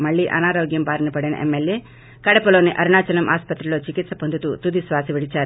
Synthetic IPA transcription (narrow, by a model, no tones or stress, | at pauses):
mɐɭːiːʔɐ̰naːɾoːɡjɐmpaːɾinɐpɐɽinɐ̰ʔemːelje̞ː | kɐɽɐpɐlo̞ːniʔɐɾuɳaːt͡ʃɐlɐmʔa̰ːspɐt̪ɾɐlo̞ːt͡ʃikit̪sɐpond̪ut̪ut̪ud̪isʋaːsiʋiɽit͡ʃaːɾu